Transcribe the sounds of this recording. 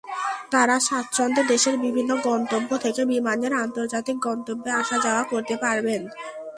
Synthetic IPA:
t̪aɾaʃat̪ʃɔnd̪ed̪eʃeɾbibʱinːoɡɔnt̪obːot̪ʰekebimaneɾant̪oɾd͡ʑat̪ik̚ɡɔnt̪obːeaʃʰad͡ʑaoakoɾt̪epaɾben

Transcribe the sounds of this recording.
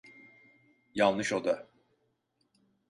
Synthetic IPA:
jalnˠnɯʃod̪a

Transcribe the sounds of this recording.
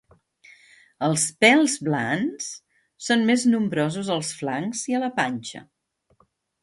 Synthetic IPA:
əlˠspɛlˠzβlans | sonmeznumbɾɔzuzəlˠsflaŋziələpanʲt͡ʃə̰

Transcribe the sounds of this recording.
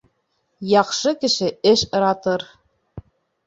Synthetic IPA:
jɑqʃɤkɘ̆ʃɘ̆ɘ̆ʃɤ̆ɾɑt̪ɤɾ

